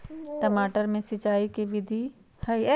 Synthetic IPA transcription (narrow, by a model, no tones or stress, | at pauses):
ʈɐmaːʈəɾmẽsɪt͡ʃaːikeʋɪd̪ʱi | hɐiɛ